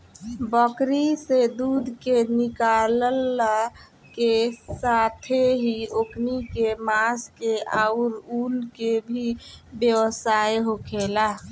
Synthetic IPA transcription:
bəkɾised̪ud̪ʱkenikaləl | kesat̪ʰeɦioknikemaskeaʊɾulkebʱibjewəsaeɦokʰela

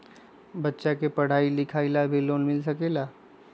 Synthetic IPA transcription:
bɐtːʃakepɐɽ̤aːilɪkʰaːilabʱiloːnmɪls̬əkeːlaː

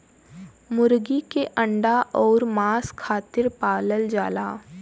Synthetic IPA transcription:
mʊɾɡikeʔə̃ɳɖaʔɔːɾmaːskʰaːt̪ɪɾpaːləld͡ʒaːlaː

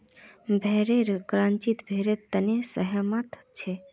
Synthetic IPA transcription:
bʱeɾeɾkɾant͡ʃit̪bʱeɾet̪ənesəɦəmat̪ʰ | t͡ʃʰe

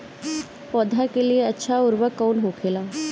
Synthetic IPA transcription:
pɔːd̪ʱakelieɐtːʃʰaʊɾʋəkːɔːnɦokʰeːlaː

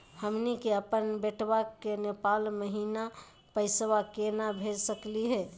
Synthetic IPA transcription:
həmnikeəpənbeʈʰʋakenepaːlməɦiːna | pəɪswakenabʱed͡ʒsəkliɦɛː

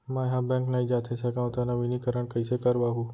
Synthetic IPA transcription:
mãɦãbɛ̃ŋknaɦĩd͡ʒaːt̪ʰesəkãt̪anɐʋinikəɾəɳ̃kəisekəɾʋaɦũ

